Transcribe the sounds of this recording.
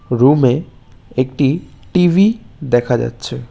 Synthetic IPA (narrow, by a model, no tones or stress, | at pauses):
ɾume | ek̚ʈiʈivid̪ɛkʰad͡ʑa̰tːɕʰe